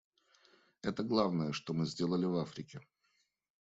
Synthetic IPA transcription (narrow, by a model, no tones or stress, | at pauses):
ɛt̪əɡlˠavnəjəʂt̪omɨzʲdʲe̞lˠəlʲɪvafɾʲɪkʲɪ